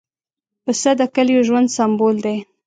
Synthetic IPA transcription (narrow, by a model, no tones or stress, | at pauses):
pəsəd̪əkəljoʒwand̪sambold̪e